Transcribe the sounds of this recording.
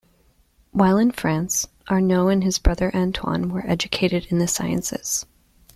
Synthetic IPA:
waɪlˠɨ̃nfɹæ̃ns | ʔə˞noʊɨ̃nɨzbɹʌðə˞ʔæ̃ntʰwɑ̰̃nwə˞ʔɛd͡ʒɨkʰeɪɾɨɾɨ̃nðɨsa̰ɪɨ̰̃nsɨ̰z̥

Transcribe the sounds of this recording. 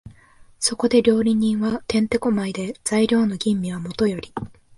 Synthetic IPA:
so̞ko̞d̪e̞ɾʲo̞ːɾʲiɲ̟ĩɰ̃βat̪ẽ̞nt̪e̞ko̞maid̪e̞z̥aiɾʲo̞ːno̞ɡʲĩmːʲiβamo̞t̪o̞jo̞ɾʲi

